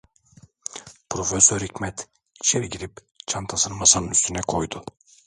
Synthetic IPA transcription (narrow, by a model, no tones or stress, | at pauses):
pʰɾo̞fesøɾicmɛt̪ | it͡ʃʰeɾiɟiɾip | t͡ʃʰant̪ʰasɯnɯmasanɯnyst̪ʰynɛkʰo̞jd̪ʊ